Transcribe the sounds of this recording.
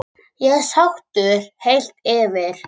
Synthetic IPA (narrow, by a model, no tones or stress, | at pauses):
jɛɣsawxt̪ʏɾ̥hejl̥t̪ɛːvɪɾ̥